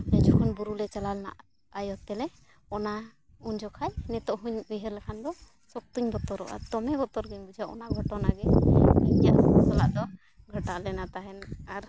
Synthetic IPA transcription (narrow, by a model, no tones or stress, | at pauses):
ɛd͡ʒɔkʰɔnbuɾulɛt͡ʃalalna̰ʔ | ajɔt̪ːɛlɛ | ɔnauɲd͡ʒɔkʰajnɛt̪ɔʔɦuɲbiɦəɾlɛkʰand̪ɔ | sɔk̚t̪uɲbɔt̪ɔɾɔʔa̰t̪ɔmɛɡɔt̪ɔɾɡiɲbud͡ʒʱaʔɔ̰naɡʱɔʈɔnaɡɛiɲja̰ʔɔsɔla̰ʔd̪ɔ | ɡʱəʈaʔlɛnat̪aɦɛnaɾ